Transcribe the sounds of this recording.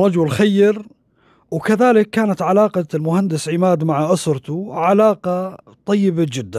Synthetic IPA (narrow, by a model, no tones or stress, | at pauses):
ɑd͡ʒʊlxajːɪɾ | wkaðaːlɪkːaːnat̪ʕalaːqɑlmʊhand̪ɪsʕɪmaːd̪maʕaʔʊsɾˤt̪ʊʕalaːqɑ | t̪ˤɑjːɪbad͡ʒɪd̪ːan